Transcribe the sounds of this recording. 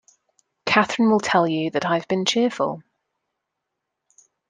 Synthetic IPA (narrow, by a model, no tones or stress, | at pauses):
kʰaθɹɪ̃nwɪlˠtʰɛlˠjəðətaɪvbĩnt͡ʃʰɪəfə̰lˠ